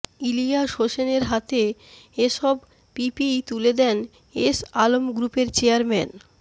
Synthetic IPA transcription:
ilijaʃɦoʃeneɾɦat̪eeʃɔb | pipijt̪uled̪ɛn | esalomɡɾupeɾt͡ɕeaɾmɛn

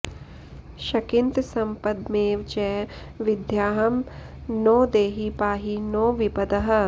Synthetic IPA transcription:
ʃɐkɪnt̪sɐmpɐd̪meːʋt͡ʃɛː | ʋɪd̪ʱjaːɦɐm | noːd̪eːɦipaːɦinoːʋipɐd̪ɐɦɐ̆

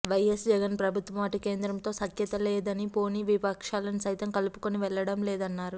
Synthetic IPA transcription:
ʋɐjesd͡ʒɛɡɐnpɾɐbʱut̪ʋɐmaːʈike̞ːnd̪ɾɐmt̪o̞ːsɐkjɐt̪ɐleːd̪ɐnipo̞ːniʋipɐkʂaːlɐnisɐjt̪ɐmkɐlupu̥koniʋɛɭːɐɽɐmlɛːd̪ɐnːaːɾu

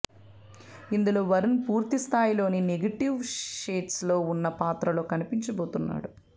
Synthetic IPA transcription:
ind̪ulo̞ːʋɐɾɐnpuːɾt̪ist̪ʰaːjilo̞ːnineɡɐʈiʋʃeːʈslo̞ːunːɐpaːt̪ɾɐlo̞ːkɐnipiɲt͡ʃɐbo̞ːt̪unːa̰ːɽu

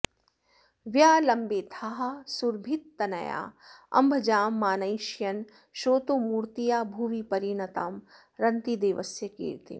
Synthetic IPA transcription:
ʋjaːlɐmbeːt̪ʰaɦɐ̆suɾbʱit̪ːɐnɐ̰ja̰ːɐ̰mbʱɐd͡ʒaːmːaːnɐjʃjɐn | ʃoːt̪oːmuːɾt̪ijaːbʱuːʋipɐɾiːɳɐt̪aːm | ɾɐnt̪id̪eːʋɐsjɐkḭːɾt̪ḭ

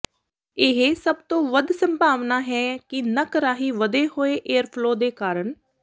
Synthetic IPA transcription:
ɪɦeːsəbt̪õːʋəd̪səmbʱaːʋnaːɦɛːkɪnəkəɾaːɦiːʋəd̪eːhoːeːʔeːəɾpʰloːd̪eːkaːɾəɳ

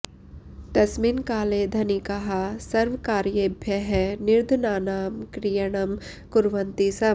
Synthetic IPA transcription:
d̪ɐsminkaːled̪ʱɐnikɐɦasɐɾʋkaːɾjɐbʱjɐɦɛnɪɾd̪ʱnaːnaːmkɾijɐɽ̃ɐm | kʊɾʋɐnt̪isɐ

